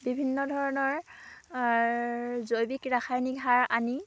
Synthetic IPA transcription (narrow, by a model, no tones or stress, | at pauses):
bibʱinːɔdʱɔɹɔnɔɹ | zojbikɹaxʰajniɡʱɦaɹani